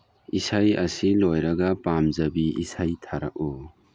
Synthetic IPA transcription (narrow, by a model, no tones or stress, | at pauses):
isajɐsilojɾaɡapamzabiisajtʰaɾakɔ